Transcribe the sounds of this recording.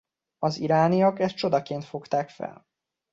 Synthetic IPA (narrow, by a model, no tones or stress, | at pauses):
ɒziɾaːnijɒɡɛst͡ʃo̞d̪ɒkeːnt̪fo̞kt̪aːkfɛ̰l